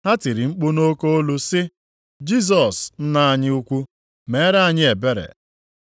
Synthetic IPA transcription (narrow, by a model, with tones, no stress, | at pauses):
ɦa˦ti˨ɾi˨ŋ͡m̩˦k͡pʊ˦no˦ko˦o˦lu˦sɪ˦ | d͡ʒi˦s̬ɔ˨sn̩˦na˦a˨ɲɪ˦u˦kʷu˦ | me˨˦ɾa˦a˦˨ɲɪ˦e˨be˦ɾḛ˨